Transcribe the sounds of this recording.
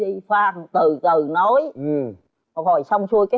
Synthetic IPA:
i˧fwaː˧˩ŋt̪ɨ˨˩t̪ɨ˨˩no˨˦jʔ̚ | hɔ˧˩jsa˧wŋ͡msu˧əjkaː˨˦

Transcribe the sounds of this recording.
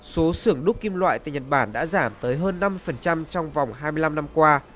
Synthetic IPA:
so˨˦sɨ˧˩əŋɗʊ˦˥k͡p̚ki˧mlwa̰ː˧˨jt̪a̰ː˧˨jɲə˨˩t̚ɓaː˧˩nɗa̰ː˧˥zaː˧˩mt̪əː˨˦jɦəː˧nːa˧mːɨ˧əjfə˨˩nt͡ɕa˧mt͡ɕɔ˧wŋ͡mva˨˩wŋ͡mɦaː˧jmɨ˧əla˧mna˧mkwaː˧

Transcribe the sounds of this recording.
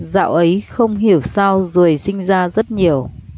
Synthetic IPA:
za̰ː˧˨wʔə˨˦jxə˧wŋ͡mɦi˧˩əwsaː˧wzo˨˩əjsï˧ŋ̟zaː˧zə˦˥t̚ɲi˨˩əw

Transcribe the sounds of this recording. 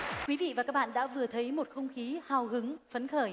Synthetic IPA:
kwi˨˦vḭ˧˨vaː˨˩kaː˦˥k̚ɓa̰ː˧˨nɗa̰ː˧˥vɨ˨˩ət̪ʰə˨˦jmo˨˩t̚xə˧wŋ͡mxi˨˦haː˨˩whɨ˨˦ŋfə˨˦nxəː˧˩

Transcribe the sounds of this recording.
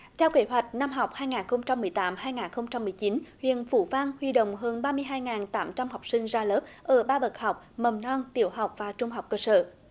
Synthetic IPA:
t̪ʰɛ˧wke˧˦ɦwa˨˩jk̟̚na˧mɦa˨˩wk͡p̚haː˧jŋaː˨˩nxə˧wŋ͡mt͡ɕa˧mːɨ˨˩əjt̪aː˨˦mhaː˧jŋaː˨˩nxə˧wŋ͡mt͡ɕa˧mːɨ˨˩əjt͡ɕi˨˦nhwḭ˧˨ənfṵ˧˩va˧nhwi˧ɗo̰˧˨wŋ͡mɦəː˧nɓaː˧mɨ˧əjɦaː˧jŋaː˨˩nt̪aː˨˦mt͡ɕa˧mha˨˩wk͡p̚sï˧ŋ̟zaː˧ləː˦˥p̚ʔəː˧˩ɓaː˧ɓə˨˩t̚ha˨˩wk͡p̚mə˨˩mnɔ˧nt̪ḭ˧˩əwɦa˨˩wk͡p̚vaː˨˩t͡ɕʊ˧ŋ͡mɦa˨˩wk͡p̚kəː˧sə̰ː˧˨

